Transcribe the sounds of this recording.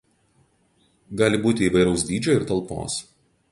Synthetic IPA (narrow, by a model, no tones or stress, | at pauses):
ɡɑːlʲɪbuːt̪ʲɪiːʋɐɪɾɐʊsd̪ʲiːd͡ʒʲoːɪɾt̪ɐlˠˑpo̰ːs